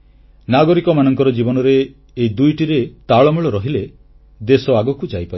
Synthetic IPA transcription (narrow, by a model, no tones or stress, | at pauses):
naɡɔɾikɔmanɔŋkɔɾɔd͡ʒibɔnɔɾeː | id̪ujʈiɾet̪aɭɔmuɭɔɾɔɦile | d̪esɔaɡɔkud͡ʒajpai